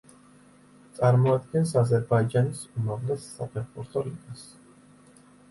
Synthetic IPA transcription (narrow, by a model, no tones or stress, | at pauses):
t̪sʼaɾmɔad̪̚ɡɛnsazɛɾbaid͡ʒanisumavlɛsːapʰɛɾbuɾt̪ʰʼɔɾid̪as